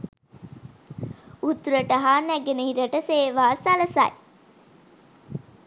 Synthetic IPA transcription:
ut̪uɾəʈəɦaːnæɡenehiɾəʈəseːʋaːsɐlɐsa̰j

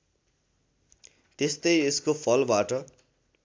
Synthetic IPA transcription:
t̪est̪ʌjeskopʰʌlbaʈʌ

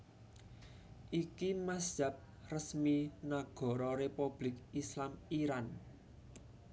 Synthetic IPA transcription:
ʔikimasd͡ʒ̥a̤p̚ | rəsminaɡ̥ɔ̤ɾɔɾepub̥lɪkislamiɾan

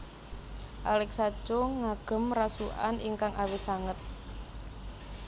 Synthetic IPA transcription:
ʔalɛk̚sat͡ʃoŋaɡ̥ə̤mrasuʔa̰niŋkaŋʔawisaŋət̪̚

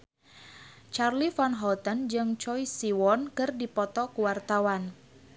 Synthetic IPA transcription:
t͡ʃarlifanɦɔlt̪ənd͡ʒɨŋt͡ʃɔisiwɔnkɨrdipɔt̪ɔkuwart̪awan

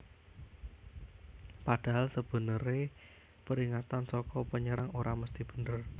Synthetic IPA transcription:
pad̥a̤ɦalsəb̥ə̤nəɾe | pəɾiŋat̪ansɔkɔpəɲəɾaŋoɾaməst̪ib̥ə̤nər

